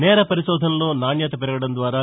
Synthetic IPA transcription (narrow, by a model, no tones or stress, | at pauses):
nɛːɾɐpɐɾisɔːd̪ʱɐnɐluːnaːɳjɐt̪ɐpɛɾɐɡɐɽɐnd̪ʋaːɾɐ